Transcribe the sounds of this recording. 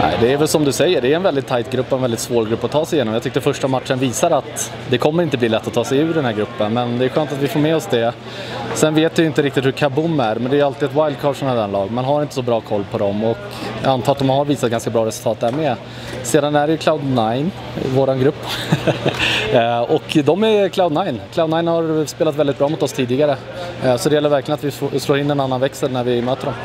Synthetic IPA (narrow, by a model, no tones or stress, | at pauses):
nʔæ̰ɪd̪ɛːvɛlsɔmd̪ɵsɛjːəɖɛːɾɛnvɛld̪ɪt̪ʰːajt̪ɡɾɵpːɔɛnɛlɪt̪svoːɾɡɾɵpːat̪ʰːɑːsɛjɪjeːnɔmjɑːt̪ʏk̚ːt̪ːəɾfœʂʈamat̪ʂənviːsaɾat̪ | d̪ɛkʰɔmːəɾɪnt̪əbliːlɛt̪ːɔt̪ʰːɑːsɛjʉ̟ːɖɛnhæːɾɡɾɵpːənmɛnd̪ɛːɧøːnt̪at̪vɪfoːɾmɛːɔsd̪ɛ | sɛnveːt̪vɪjɪnt̪əɾɪk̚t̪ɪt̪hɵɾkʰabʊmːæɾmɛnd̪ɛːjalt̪ɪːɛt̪wajld̪̚kʰaʂɔnad̪ɛnlɑːɡmɛnɦaɾɪnt̪əsɔbɾɑːkʰɔlːpʰɔd̪ɔmɔkː | ant̪ʰɑːat̪̚d̪ɔmhaɾviːsat̪̚ɡanskabɾɑːɾɛsɵʉlt̪ɑːt̪̚d̪æɾmɛ | seːd̪anæɖɛjɵkʰlaʊd̪najn̰ | voːɾanɡɾɵpː | ɔkd̪ɔmækʰlaʊd̪najnklaʊd̪najnhaɾspeːlat̪vɛld̪ɪt̪̚bɾɑːmʊt̪ɔst̪ʰiːd̪ɪɡaɾə | sɔd̪ɛjɛlːəɾvæɾklɪjənat̪vɪfosloːɾɪnːɛnanːanvɛksəɾnæɾvɪmøːt̪əɖɔm